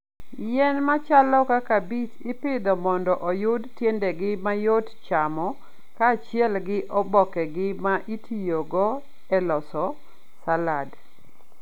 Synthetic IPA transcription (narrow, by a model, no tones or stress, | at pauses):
jɛnmat͡ʃalɔkakabit͡ʃɪpɪd̪ɔmɔndɔʔɔjʊdtjendɛɡɪmajott͡ʃamɔ | kaːt͡ʃɪɛlɡɪʔɔbɔkɛɡɪmaʔitʰijoɡɔ | ɛlɔsɔ | salad